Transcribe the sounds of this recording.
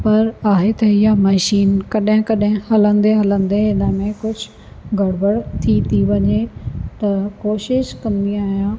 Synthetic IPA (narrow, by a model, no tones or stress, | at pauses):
pɐɾaːɦet̪ʰɐɦijamɐʃiːnkɐɗɦɪ̃kɐɗɦɪ̃hɐlə̃nd̪eɦɐlə̃nd̪eɦɪnəmẽkʊd͡ʑʱʊ | ɡʱɐɽbəɽt̪ʰit̪ʰiʋɐɲet̪ɐkoːʃɪʃkɐ̃nd̪iaːɦijãː